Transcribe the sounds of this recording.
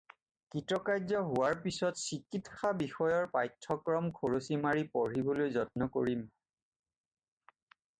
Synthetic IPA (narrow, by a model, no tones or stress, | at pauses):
kɹitɹɔkajzɔɦʊwaɹpisɔtsikitxabixɔjɔɹpajtʰːɔkɹɔmkʰoɹosimaɹipɔɹibolojzɔt̚nɔkoɹim